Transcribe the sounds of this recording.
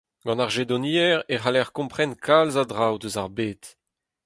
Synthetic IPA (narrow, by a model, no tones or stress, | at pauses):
ɡ̥ɑ̃naʁʒed̪ɔniɛʁeʁalɛʁkɔ̃mpχɛnkʰalzadʁawdøzaʁbeːt̪